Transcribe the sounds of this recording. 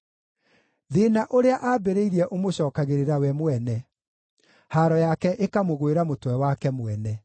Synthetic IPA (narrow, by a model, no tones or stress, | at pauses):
ðenaʔoɾeaʔaːbeɾeiɾɛʔomoɕɔːkaɣeɾeɾawɛmwɛnɛ | haɾɔjakɛʔekamoɣweɾamotwɛwakɛmwɛnɛ